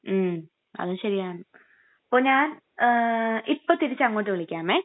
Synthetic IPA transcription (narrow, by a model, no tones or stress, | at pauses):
m | ɐ̰ðɨɕɐɾijaːɳɨ | pːoːɲaːn | ipːot̪iɾit͡ɕːɐŋːo̞ːʈːɨʋɐɭikʲːaːmeː